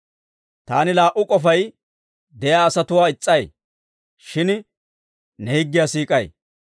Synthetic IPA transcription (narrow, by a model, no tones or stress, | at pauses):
t̪aːnɪlaːʔʊkʼɔfɐj | d̪ɛjaːɐsɐt̪ʊwaːɪt͡sʼːɐj | ʃɪn | nɛhɪɡːɪjaːsiːkʼɐj